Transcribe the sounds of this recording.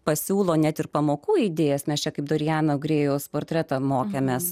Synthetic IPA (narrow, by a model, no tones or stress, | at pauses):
pɐsʲuːlˠoːnʲɛt̪ɪrpɐmoːkuːid̪ʲeːjɛsmʲɛst͡ʃʲɛkɐɪp̚d̪oɾʲɪjæːnoɡɾʲeːjoːspoːrʲt̪ʲɾʲɛt̪ɐmoːkʲemʲeːs